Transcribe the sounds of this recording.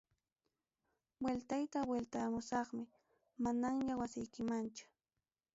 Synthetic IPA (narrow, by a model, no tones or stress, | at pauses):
welt̪ajt̪awelt̪amʊsɑχmɪ | manaŋjawasɪjkɪmant͡ʃʊ̥